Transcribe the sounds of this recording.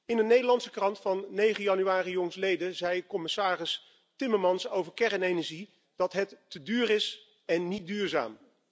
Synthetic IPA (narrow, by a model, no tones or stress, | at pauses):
ɪndənejdəlɑnsəkrɑntfɑnːejχənjɑnyaːrijɔŋslejdəzɛjkɔmɪsaːrɪs | tɪməɹmɑnsowvəɹkɛrənenɛɹʒi | d̥ɑtɦɛtːədyːrɪs | ɛnːit̚dyːɹza̰ːm